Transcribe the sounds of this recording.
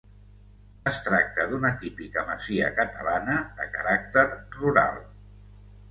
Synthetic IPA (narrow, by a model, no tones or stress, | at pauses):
əst̪ɾak̚t̪əðunət̪ipikəməziə̰kət̪əlanəðəkəɾak̚t̪əɾruɾa̰lˠ